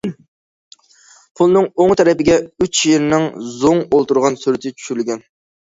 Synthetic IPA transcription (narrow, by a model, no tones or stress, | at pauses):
pʰulˠnɨŋoŋt̪ʰɛɾɛpɪɡʲɛyt͡ʃjeɾnɪŋzoŋolˠt̪uɾʁɑnsyɾɪt̪ʰɪt͡ʃʰy̥ʃyɾylɡʲɛn